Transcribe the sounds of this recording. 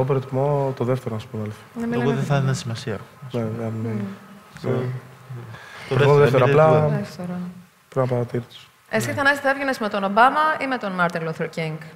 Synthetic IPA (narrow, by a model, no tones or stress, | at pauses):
op̬eɾot̪imo̞t̪oðeft̪eɾonɐsu̥poneolθi̥nemoðeθɐninɐsimɐsiɐneɐnne | e | ɾoðeft̪eɾoɐlɐeft̪eɾo | pɾinɐpɐɾɐt̪iɾit̪u̥s | eskesɐnest̪iθɐevʝenesmet̪o̞no̞bɐmɐimet̪o̞nmɐɾt̪inluθeɾciŋɡ